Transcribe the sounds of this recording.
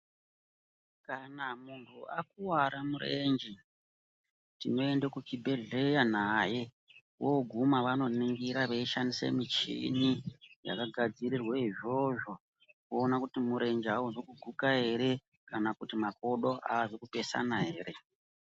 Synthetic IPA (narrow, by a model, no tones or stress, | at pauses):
kanamuntʰuak̚uwaɾamure̞nd͡ʒi | tino̞endekut͡ʃibʱe̞ɮe̞jan̤aje | woɡʱumaʋano̞niŋɡiɾaʋeiʃandisḛmit͡ʃḭnija̰kaɡʱad͡ziɾirweiʐo̞ʐo̞ | koːnakutimuɾe̞nd͡ʒawuzokuɡʱukae̞ɾe̞ | kanakutimak̚o̞ɗo̞ʔa̰ːzikupe̞sa̰naɦeːɾe̞